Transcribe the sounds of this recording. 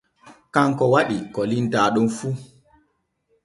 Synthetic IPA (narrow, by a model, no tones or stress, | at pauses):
kaŋkɔwaɗikɔlindaːɗumfu